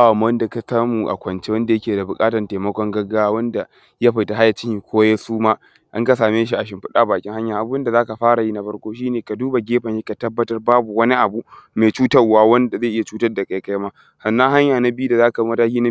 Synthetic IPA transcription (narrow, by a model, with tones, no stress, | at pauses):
a˦wa˨m˦ɐ˦nda˨ka˨saː˦muː˨ʔa̰˨kʷɐ˨nt͡ʃe˦wɐ˦nda˨jɐ˦kʲeː˨da˨bʊ˨kʼaː˦tɐ˨nteː˨mɐ˦kʷɔ˦ŋɡɐ˦ɡaː˦wa˦wɐ˦nda˨ | ja˦ɸa˨jta˨ɦa˦ja˨t͡ʃɪ˦ŋhi˨kʷoː˦ja˦suː˦maː˦ | ʔa˦ŋka˨saː˨meː˦ʃ̬i˦ʔa˨ʃ̬ɪ˨mɸɪ˦ɗaː˦baː˨kʲɪ˦ŋha˦ɲjaː˨ʔa˨bʊ˦nda˨zaː˦ka˨ɸaː˦ɽa˨ji˦na˦ɸɐ˦ɽkʷoː˦ʃ̬iː˦neː˨ka˨duː˦ba˨ɡʲeː˦ɸɐ˨ʃi˦ka˨tɐ˦bːɐ˦tɐ˦rbaː˦bu˨wɐ˦ni˦ʔa˨bu˦meː˨t͡ʃuː˦tɐ˦rwaː˦wɐ˦nda˨za˦˨ʔɪ˦ja˨t͡ʃuː˦tɐ˦rda˨ka˨jka˦jmaː˦ | sɐ˨nːɐ˦ŋɦa˦ɲjaː˨na˦bju˦da˨zaː˦ka˨bi˦mɐ˦taː˦kʲiː˦na˦